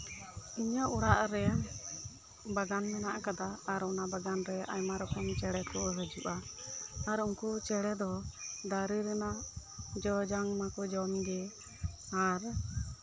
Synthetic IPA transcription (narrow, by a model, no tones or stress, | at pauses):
iɲaʔuɽaʔɾɛ | baɡanmɛnaʔkad̪aːɾɔnabaɡanɾɛa̰jmaɾɔkɔmt͡ʃɛɽɛkɔɦəd͡ʒuʔaː | ɾuŋkut͡ʃɛɽɛd̪ɔd̪aɾiɾɛnad͡ʒɔd͡ʒaŋmakɔd͡ʒɔmɡɛ | aɾ